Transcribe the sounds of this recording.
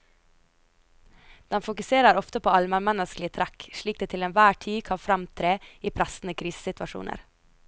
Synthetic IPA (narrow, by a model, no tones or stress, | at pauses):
d̪̥ɛnfʊkʉseːɾəɾɔft̪əpʰoːɑlməmɛnəsklɪət̪ʰɾækʃɭiːk̚d̪eːt̪ʰɪlɛnʋæːʈʰiːkʰɑnfɾɑmt̪ʰɾeːiːpʰɾæsn̩əkʰɾiːsə̥sɪt̪ʋɑʃṵːnʔə̰ɾ